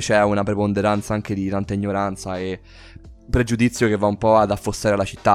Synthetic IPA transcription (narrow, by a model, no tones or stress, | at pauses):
t͡ʃɛunapɾepond̪eɾant̪saaŋk̟ed̪it̪ant̪aiɲːoɾant̪sae | pːɾed͡ʒud̪it̪sːjokevːaumpɔad̪afːost̪aːɾealːat͡ʃit̪ːa